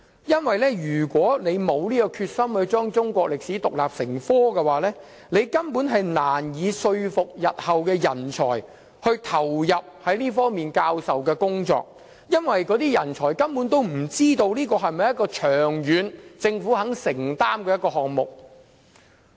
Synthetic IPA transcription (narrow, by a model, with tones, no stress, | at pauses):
jɐ˥nwɐ˨jlɛː˥jyː˨˩kʷɔː˨˥ne˨˧jmo˨˧wliː˥kɔː˧kʰyː˧t̚sɐ˥mhɵ˧ɥt͡sʊ˥ŋt͡sʊ˥ŋkʷɔː˧k̚lɪ˨k̚siː˨˥t̪ʊ˨k̚laː˨p̚sɪ˨˩ŋfɔː˥kɛ˧waː˨˥lɛː˥ | ne˨˧jkɐ˥mpuː˨˥nɦɐ˨jnaː˨˩njiː˨˧sɵ˧ɥfʊ˨k̚jɐ˨t̚hɐ˨wkɛː˧jɐ˨˩nt͡ʃʰɔː˨˩j | hɵ˧ɥt̪ʰɐ˨˩wjɐ˨p̚hɐ˨˥jliː˥fɔː˥ŋmiː˨nkaː˧wsɐ˨wkɛː˧kʊ˥ŋt͡sɔ̰ː˧k̚ | jɐ˥nwɐ˨jkɔ˨˥t̪iː˥jɐ˨˩nt͡ʃʰɔː˨˩jkɐ˥mpuː˨˥nt̪o˥wm̩˨˩t͡siː˥t̪o˧wliː˥kɔː˧ɦɐ˨jmɐ˨jɐ˥t̚kɔː˧t͡ʃʰœː˨˩ŋjyː˨˧nt͡sɪ˧ŋfuː˨˥hɐ˨˥ŋsɪ˨˩ŋt̪aː˥mkɛː˧jɐ˥t̚kːɔː˧ɦɔː˨k̚mʊ̰˨k̚